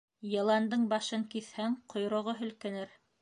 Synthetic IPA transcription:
jɤ̆lˠɑnd̪ɤɴbɑʃɤŋkiθhæŋqʰŏjɾŏʁoɦɵ̆lkɘ̆nɘɾ

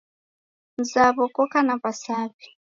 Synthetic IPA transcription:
nzaβɔkɔkanapasaːβi

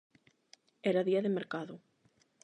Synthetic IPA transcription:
ɛɾaðiaðemeɾkaðʊ

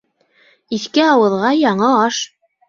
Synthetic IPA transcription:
iθkɘɑwɤ̆ðʁɑjɑɴɤɑʃ

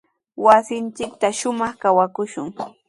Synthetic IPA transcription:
wasɪnt͡ʃɪk̚t̪aʃʊmɑχkawakʊʃʊŋ

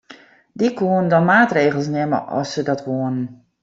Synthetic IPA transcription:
dikuəndɔnmaːtreːɣəl̩ˠsnɛmə̰ʔɔ̰sədɔtʋoənən

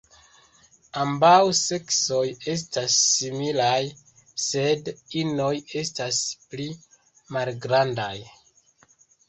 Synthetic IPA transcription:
ambawse̞kso̞je̞s̬tasːimilaj | sedino̞je̞staspli | malɡɾandaj

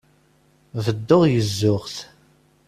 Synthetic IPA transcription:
vəd̪ːoʁjəzːʊʁθ

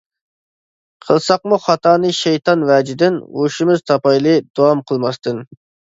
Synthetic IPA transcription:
qʰəlˠsɑqmuχɑt̪ʰɑːnɨʃejt̪ɑnvɛd͡ʒid̪ɪnoʃimɪz̥t̪ʰɑpɑjlˠɨd̪̥owɑmqʰəlˠmɑst̪ɨn

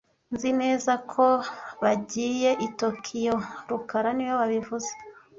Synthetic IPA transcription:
nzine̞ːzakʰo̞βaɟiːje̞ʔito̞kʰijo̞ɾukaɾaniwoβaβivuze̥

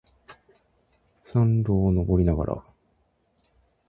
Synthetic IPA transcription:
sãnɾoːno̞bo̞ɾʲinaɡa̰ɾa̰

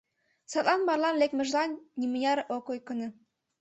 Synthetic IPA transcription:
sɑt̪lˠɑnmɑrlɑnlekmɘ̆ʒlɑnʲːimujʲɑɾʔokojkɤ̆nɤ̆

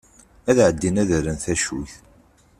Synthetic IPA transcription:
æðʕəd̪ːinæðəɾənθæʃuθ

